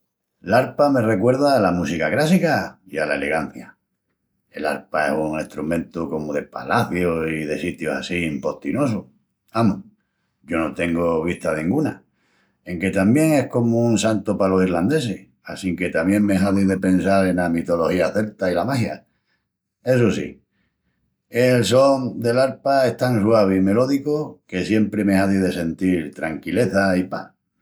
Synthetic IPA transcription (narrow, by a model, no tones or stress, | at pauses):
laɾpame̞re̞kwe̞ɾðaːlamusikaɣɾasikaialae̞le̞ɣ̞an̟θja | e̞la̰ɾpae̞̰suŋeht̪ɾumẽ̞nt̪uko̞moðe̞pa̰laθjosiðe̞sit̪josasimpo̞ht̪ino̞s̬o | amu | ɟ͡ʝo̞no̞t̪e̞ŋɡoβ̞iht̪aðnĩŋɡuna | e̞ŋke̞t̪amje̞ŋe̞hko̞mounsant̪opalo̞sirland̪e̞se̞h | a̰siŋke̞t̪amjẽ̞ŋmeɦaðiðe̞pe̞nsaɾe̞namit̪o̞lo̞hiaθe̞lt̪ailamahja̰ | e̞s̬osḭ | els̬ond̪e̞laɾpae̞ht̪answaβeime̞lo̞ðikoke̞sje̞mpɾe̞mehaðiðe̞se̞nt̪iɾt̪ɾaŋkile̞θaipa̰